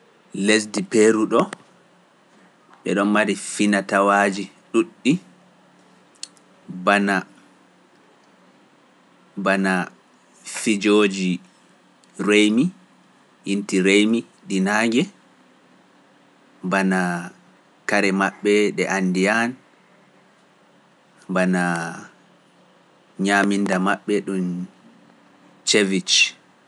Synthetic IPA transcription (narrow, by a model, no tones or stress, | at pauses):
lesdipeɾuɗɔ | ɓɛ̰ɗɔnmaɾifinatawaːd͡ʒi | ɗuɗːi | bana | bana | fid͡ʒoːd͡ʒi | rejmi | ʔintiɾejmi | ɗinaɡɛ | bana | kaɾɛmaɓːɛɗɛʔandijan | bana | ɲaːmindamaɓːɛɗun | t͡ʃevit͡ʃ